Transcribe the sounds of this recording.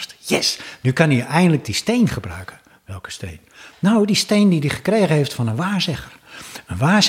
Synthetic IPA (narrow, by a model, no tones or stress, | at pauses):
tjɛsnykɑniʔɛjndələk̚distejnχəbrœ̰ɥkʰən | ʋɛlˠkə̥stḛjnːawdistejndidiχə̥krejχənɦeftfɔnənʋaːzɪχərənʋaːs